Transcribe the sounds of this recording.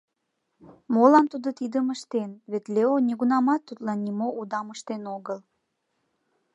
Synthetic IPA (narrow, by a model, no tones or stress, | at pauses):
molɑnt̪ud̪ot̪id̪əməʃt̪enβet̪leoneɣunɑmɑt̪ːut̪lɑnːimoʔud̪ɑməʃt̪enoɣəl